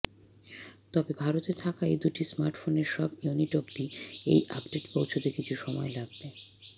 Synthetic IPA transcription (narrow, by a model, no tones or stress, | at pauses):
t̪ɔbebʱaɾot̪et̪ʰakaejd̪uʈismaɾʈfoneɾʃɔbjuniʈobt̪iḛjʔa̰pɖeʈpowt͡ɕʰot̪ekit͡ɕʰuʃɔmɔelaɡ̚be